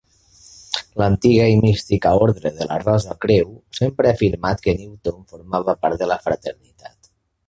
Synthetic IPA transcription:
lənt̪iɣəimist̪ikaoɾðɾəðələ̰rɔzəkɾewsempɾəafiɾmat̪kəniwt̪onfoɾmaβəpaɾt̪ðələfɾət̪əɾnit̪a̰t̪

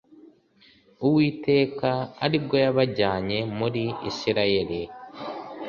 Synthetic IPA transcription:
uwiːte̞ːkaa̰ɾib̚ɡojaβaɟaːɲe̞muɾiḭsiɾaje̞ɾi

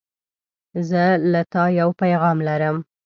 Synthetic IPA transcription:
zəlat̪ɑjawpajɣɑmlaɾəm

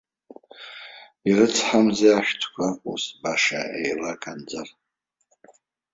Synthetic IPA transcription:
irɨt͡sʰħamzeaʃᶣtʰkʷʰausbaʂa̰ʔḛjlakʼand͡zar

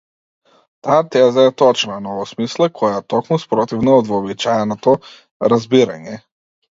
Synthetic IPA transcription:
t̪aːt̪ɛzajat̪ɔt͡ʃimɛnɔvɔsmislˠakʰɔjat̪ɔkmuspɾɔt̪ivnaɔd̪vɔːbit͡ʃaɛnɔt̪ɔ | ɾazbiɾa̰ɲɛ

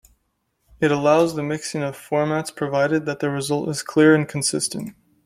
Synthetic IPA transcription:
ɨɾəlaʊzðɨmɪksɪ̃ŋʌv̥fɔɹmætspʰɹ̥ɨvaɪɾɨd̪̚ðɨt̪̚ðɨɹɨzʌlˠtɨz̥kʰl̥ɪɹɨ̃nkʰn̩sɪstɨ̃nt

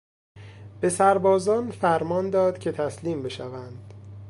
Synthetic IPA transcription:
b̥e̞sæɾbɒːzɒːnfæɾmɒːnd̪ɒːd̪̥cʰe̞t̪ʰæsliːmbe̞ʃævænd̪̥

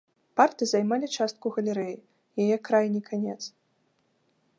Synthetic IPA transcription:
part̪ɨzajmalʲit͡ʂast̪̚kuɣɐlʲɛɾɛji | jajɛkɾajnʲikʰanʲɛt̪s

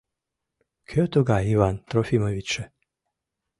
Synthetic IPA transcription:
kʰøt̪uɡaiʋant̪ɾɔfimoʋit͡ʃɛ

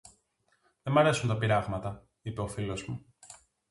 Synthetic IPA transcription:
ðemɐɾe̞sunt̪ɐpiɾɐɣmɐt̪ɐ | ipe̞o̞filo̞zmu

